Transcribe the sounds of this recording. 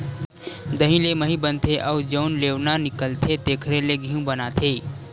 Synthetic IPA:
d̪əɦĩleməɦĩbə̃nt̪ʰeʔɔːd͡ʒənleːʋnanɪkəlt̪ʰet̪eːkʰɾeleɡʱiũbənat̪ʰeː

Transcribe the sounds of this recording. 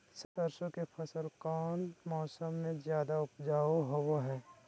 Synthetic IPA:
sət̪əɾsõkepʰɐsəɾkaːnmɔːsəmːẽzjaːd̪aʊpd͡ʒaːoɦowoɦɛː

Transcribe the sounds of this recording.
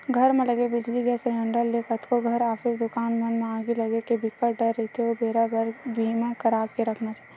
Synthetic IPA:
ɡʱəɾmẽləɡebɪd͡ʒliɡɛsəɾəɳɖəlːekət̪koɡʱəɾaːpʰɪzd̪ʊkaːnmɐnmẽaːɡeləɡekebɪkəʈɖəɾːəɦit̪ʰeobʱeːɾabəɾbʱimãkəɾaːkeɾəkʰnat͡ʃa

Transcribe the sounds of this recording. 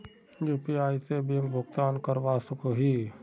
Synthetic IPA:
juːpiaːisebiŋbʱʊɡt̪aːnkəɾʋasəkoɦi

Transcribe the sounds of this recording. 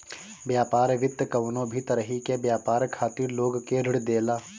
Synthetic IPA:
bjaːpaːɾʋɪt̪ːkɐʋnõbʱit̪ɐɾəɦikebjaːpaːɾkʰaːt̪iɾloːɡkeɾɪɽd̪eːlaː

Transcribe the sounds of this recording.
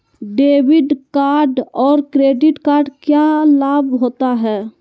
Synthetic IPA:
ɖeːʋɪɖkaːɾɖɔːɾkɾeːɖɪʈkaːɾɖkjalaːbɦoːt̪aɦɛː

